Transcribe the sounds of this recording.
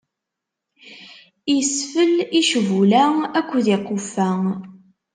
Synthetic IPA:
jisfəliʃvulæækʷːðiqːofæŋ

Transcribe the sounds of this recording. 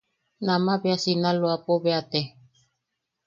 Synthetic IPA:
nãmaβeasinaloapoβeat̪e

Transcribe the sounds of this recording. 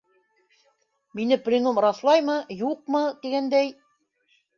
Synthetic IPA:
minɘplʲinomrɑθlˠɑjmɤjuq̚mɤt̪iɡænd̪æj

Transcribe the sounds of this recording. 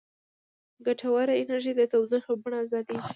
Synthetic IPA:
ɡaʈʰawaɾaɪnaɾʒid̪ət̪awd̪ixabaɳaazɑd̪i

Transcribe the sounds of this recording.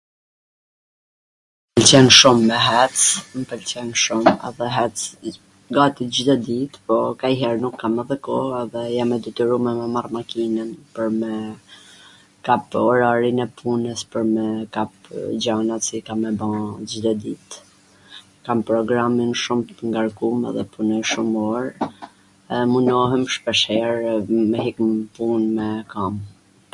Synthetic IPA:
pɛlt͡ɕɛnʃumːɛɦɛt͡smpɛlt͡ɕɛnʃumɛ̰ðɛɦɛt͡s | ɡat̪id͡ʑid̪ɔd̪it̪pɔkajɦɛɾnukːamɛðɛkɔɛðɛjamːɛd̪ɛt̪iɾumɛmɛmarmakinənpəɾmɛ | kapɔɾaɾinɛpʰunəspəɾmɛkapd͡ʑanasikamːɛbãd͡ʒid̪ɔd̪it̪ | kampɾɔɡɾaminʃumt̪əŋɡaɾkumɛ̰ðɛpunɔjʃumɔɾ | munɔɦɛmʃpɛʃɛɾmɛɦikmpunmɛkam

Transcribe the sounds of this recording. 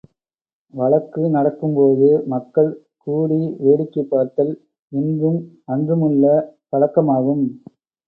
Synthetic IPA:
ʋɐɭɐkːɯnɐɽɐkːɯmpoːðɯmɐkːɐɭ | kuːɽiʋeːɽɪkːɐpːaːɾt̪ɐl | ʋɪnd̪ɯm | ɐndɯmɯɭːɐpɐɻɐkːɐmaːɣɯm

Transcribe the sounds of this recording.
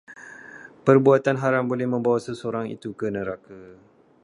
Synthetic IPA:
pərbuat̪anɦaɾambolɛhmə̃mbawasəsoɾaŋḭt̪ukənəɾaka

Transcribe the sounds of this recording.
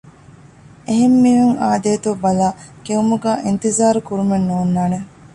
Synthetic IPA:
ʔeɦemːiːɦuŋaːd̪eːt̪ubɐlaːkeumuɡaːʔint̪izaːɾukuɾumenːuːnːaːne

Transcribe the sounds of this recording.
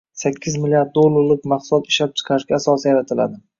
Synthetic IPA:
sakʲʰːɪzmɪljaɾd̪̚ːolˠːaɾlɪk̚ʲmɑqsʊlɒt̪ɪʃlap̚t͡ʃʰɨ̥qʰɑɾɪʃɡʲaːsɒsijaɾat̪ʰɪla̰d̪ɪ

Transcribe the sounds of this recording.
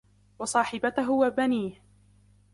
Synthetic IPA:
wɑsˤɑːħɪbat̪aɦʊwabaniːh

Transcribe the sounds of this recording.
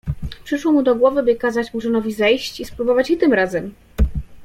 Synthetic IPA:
pʂɘʂwɔmud̪ɔɡwɔvɘbɘkazat͡ɕmuʂ̬ɘnɔvʲizɛjɕt͡ɕispɾubɔvat͡ɕjit̪ɘmɾazɛm

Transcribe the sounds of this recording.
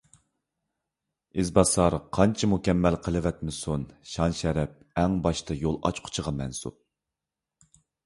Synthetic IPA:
ɪzbɑsɑɾqʰɑnt͡ʃʰimukʲɛmːɛlqʰəlˠɨvɛt̪̚mɪsunʃɑnʃɛɾɛp̚ɛŋbɑʃt̪ɑjolˠɑ̰t͡ʃqʰʊ̥t͡ʃʰəʁɑmɛnsṵp̚

